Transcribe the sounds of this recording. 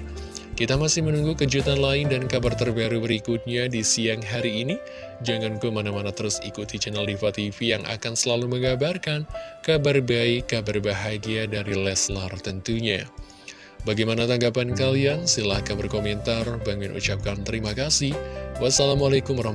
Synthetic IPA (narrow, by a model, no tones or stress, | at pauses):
kit̪amasɪhmənuŋɡukəd͡ʒut̪anlaɪndankabart̪ərbaɾubəɾikut̪̚ɲadisiaŋɦaɾiːni | d͡ʒaŋankumanamanat̪əɾʊsikut̪it͡ʃɛnəldifat̪ifijaŋʔa̰kansəlaluməŋɡabarkankabarbaikːabarbaɦaɡiadaɾilɛslart̪ənt̪uɲa | baɡajmanat̪aŋɡapankaliansilahkabərkomɛnt̪arbaŋʊnʔṵt͡ʃap̚kant̪əɾimakasɪhwasalamalakʊmbaɾah